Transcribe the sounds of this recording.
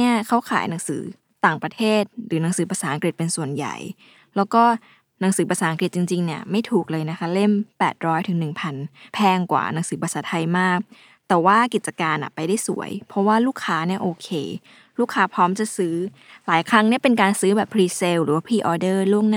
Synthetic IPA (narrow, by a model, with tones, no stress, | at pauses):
i˥˩ɐkʰa˦˥wkʰa̰ː˨˩˦jna˩˦ŋsɯː˩˦ | t̪aː˨˩ŋpɾa˧t̪ʰeː˥˩t̪̚ɾɯː˩˦na˩˦ŋsɯː˩˦pa˧saː˩˦ʔa˧ŋki˨˩t̪̚pe˧nsu˨˩ənja̰˨˩j | lɛː˦˥wkɔː˥˩ | na˩˦ŋsɯː˩˦pa˧saː˩˦ʔa˧kɾi˨˩t̪̚t͡ɕi˧ŋt͡ɕi˧ŋni˦˥˩ɐma˥˩jt̪ʰuː˨˩k̚lɤː˧jna˦˥kʰa˦˥le˥˩mpɛː˨˩t̪̚ɾɔː˦˥jt̪ʰɯ˨˩˦ŋnɯ˨˩ŋpʰa˧npʰɛː˧ŋkwa̰ː˨˩na˩˦ŋsɯː˩˦pa˧saː˨˩˦t̪ʰa˧jmaː˥˩k̚ | t̪ɛː˨˩waː˥˩ki˨˩t̪̚t͡ɕa˧kaː˧nʔa̰˨˩pa˧jda˥˩jsṵ˨˩˦əjpʰɔ˦˥waː˥˩luː˥˩kʰːaː˦˥ni˥˩ɐʔoː˧kʰeː˧ | luː˥˩kʰːaː˦˥pʰɾɔː˦˥mt͡ɕa˨˩sɯː˦˥ | laː˨˦jkʰɾa˦˥ŋni˥ɐpe˧nkaː˧nsɯː˦˥bɛː˨˩pʰɾiː˧se˧wɾɯː˩˦waː˥˩pʰiː˧˩ʔɔː˧dɤː˥˩lu˥˩əŋnaː˥